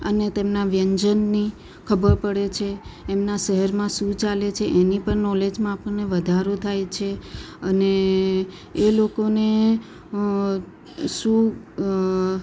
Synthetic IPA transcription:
ənet̪emnaʋjəɲd͡ʒənːi | kʰəbəɾpəɽet͡ʃʰeːmnaʃəɦəɾmãʃũt͡ʃalet͡ʃʰeʔenipəɳnɔled͡ʒmãapəɾneʋəd̪ʱaɾot̪ʰajt͡ʃʰeəneː | lokone | ʃũ

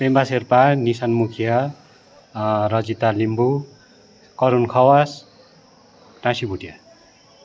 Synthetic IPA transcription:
pembaserpanisanmukʰija | ɾʌd͡zit̪alimbu | kʌɾunkʰʌwas | nãsibʱuʈja

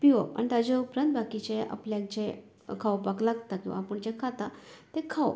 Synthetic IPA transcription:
piʋa̰a̰ɳit̪ad͡ʑaupɾant̪̚bakit͡ɕeʔa̰pljãk̚t͡ɕe | kʰawpaklaɡt̪akĩʋa̰ːpəɳd͡ʑekʰat̪at̪ekʰaw

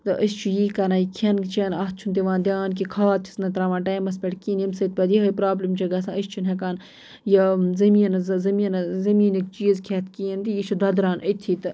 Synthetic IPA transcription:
t̪ɨʔəst͡ʃʰujiːkɐnaːjikʰɐnt͡ʃʰɐnɐht̪̚t͡ʃʰunt̪ieʋãːnd̪ʲjaːnk̬ikʰaːt̪̚t͡ʃʰi̥snɐt̪ɾaːʋaːʈaːjmɐspʲeʈkiːnimsɐt̪̚pʲɐd̪jiɦɐpɾaːblimt͡ʃʰɐɡɐsãəst͡ʃʰunɦekaːn | jɐzɐmiːnɐzzɐmiːnzɐmiːnikt͡ʃiːzkʰet̪kiːnt̪ijit͡ʃʰud̪ɐd̪ɾaːnət̪ʰiːt̪ɨ

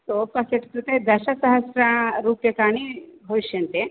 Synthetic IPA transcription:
t̪opɐseʈkɾut̪ed̪ɐʃɐsɐɦɐsɾɐɾuːpjekaːɳiɦoʃjɐnt̪e

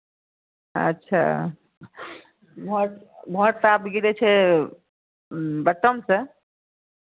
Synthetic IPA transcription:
ə̰tːʃʰa̰ | bʱɔʈbʱɔʈt̪apɡiɾɛt͡ʃʰɛ | bəʈːəmsə̃

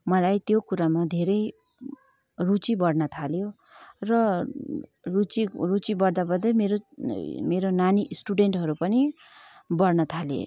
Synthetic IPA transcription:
mʌlajt̪jokuɾamad̪ʱeɾʌj | rut͡sibʌɽnʌt̪ʰaljo | rʌ | rut͡sirut͡sibʌɽd̪abʌd̪ʌmeɾomeɾonanisʈuɖeɳʈɦʌɾupʌni | bʌrnʌt̪ʰalḛ

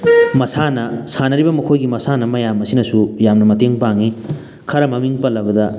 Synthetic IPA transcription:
mɐsanɐsanɐɾibɐmɐkʰojɡimɐsanɐmɐjamɐsinɐsujamnɐmɐteŋpaŋi | kʰɐɾɐmɐmiŋpɐlːɐbɐdɐ

